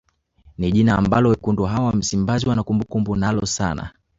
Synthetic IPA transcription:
niʄinaːmbalɔwɛkunduɦawam̩simbaziwanakumbukumbunalɔsa̰na̰

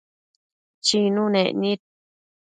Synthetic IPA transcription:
t͡ʃinũnḛnĩt̪̚

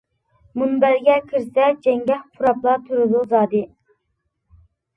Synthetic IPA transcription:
munbæɾɡʲɛkʲʰiɾsɛd͡ʒɛŋɡʲɛhpʰuɾɑplˠɑt̪ʰyɾɨd̪uzɑːd̪ɨ

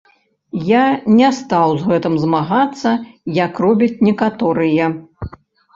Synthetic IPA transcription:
janʲɛst̪awzɣɛt̪ɨmzmaɣat̪sːɐjakrɔbʲit͡sʲnʲɛkat̪ɔɾɨjɛ

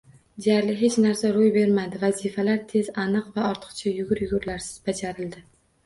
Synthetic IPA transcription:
d̪e̞jaɾlɪɦe̞t͡ʃnaɾsaɾojbe̞ɾmad̪ɪvazifalaɾt̪ʰe̞zanɨqvaɒɾt̪ʰɨ̥qt͡ʃʰajʊɡʲʊɾjʊɡʊɾlaɾsɪ̥z̥bad͡ʒaɾɪld̪ɪ

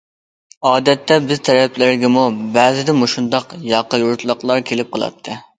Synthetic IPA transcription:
ɑːd̪ɛt̪ʰːɛbɪzt̪ʰɛɾɛpʰlɪɾɡʲɛmubæːzɪd̪ɛmuʃund̪ɑqjɑqːəjuɾt̪lˠəqlˠɑɾkʲʰelɪp̚qʰəlˠɑ̰t̪ʰːɨ

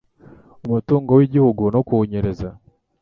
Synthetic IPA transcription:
umutuːŋɡowiɟihuɡunokuoɲeɾe̞za

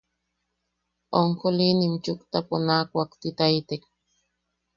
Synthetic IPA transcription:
oŋkolinimt͡ʃʊkt̪aponaːkʷakt̪ɪt̪ajt̪ek

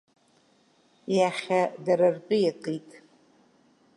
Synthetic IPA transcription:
jaχʲadaɾarpʼɨjaqʼitʼ

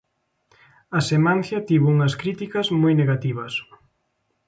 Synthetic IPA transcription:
ɐsemãnθjɐt̪iβuuŋɐskɾit̪ikɐzmojneɣat̪iβɐs

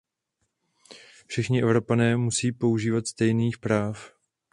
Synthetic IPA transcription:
fʃɪxɲɪʔɛvɾo̞panɛːmusiːpo̞uʒiːvat̪st̪ɛjniːxpɾaːf

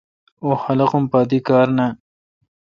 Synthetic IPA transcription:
oxalaqʊmpɑːd̪ikɑːɾna

